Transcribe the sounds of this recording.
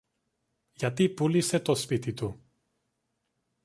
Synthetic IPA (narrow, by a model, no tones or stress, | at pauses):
ʝɐt̪ipulise̞t̪o̞spit̪it̪u